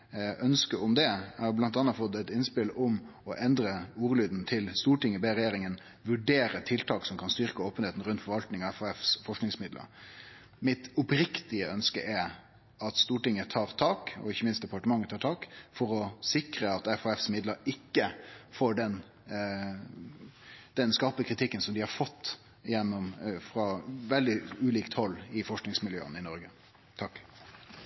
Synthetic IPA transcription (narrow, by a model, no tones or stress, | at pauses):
ʔœnskəʊmd̪ɛɛhɑblɑnt̪ɑnɑt̪fɔd̪ɛt̪ɪnspɪlʊmɔʔɛnd̪ɾəuːɾəlyːd̪nt̪ʰɪlst̪uːʈɪŋːəbeɾɛjeːɾɪŋən | ʋʉɖeːɾət̪ʰɪlt̪ʰɑːksɔmkʰɑnst̪ʏɾkəoːpəneːt̪n̩ɾʉnt̪fɔɾʋɑlt̪nɪŋɑɛfoɛfsfɔʂknɪŋsmɪd̪lə̰ɾ | mɪt̪ɔpɾɪkt̪ɪəʔœnskə̰ʔɛ | ɑt̪st̪uːʈɪŋːət̪ʰɑːɾt̪ʰɑːkɔ̰ɪçːəmɪnst̪̚d̪ɛpɑʈəmɑŋːət̪ʰɑːʈ̪ʰɑːkfɔɾɔsɪkɾəɑt̪ɛfɔːɛfsmɪd̪ləɾɪkːəfoːɖɛn | d̪̥ɛnskɑʁpəkʰɾɪt̪ʰɪkːənsɔmd̪ɪhɑɾfɔt̪ː | jɛnːɔmfɾʁɑʋɛld̪ɪʉːliːkt̪hɔlːɪfɔʂknɪŋsmɪljø̰ːə̰nɪnɔɾɡə | t̪ʰɑkː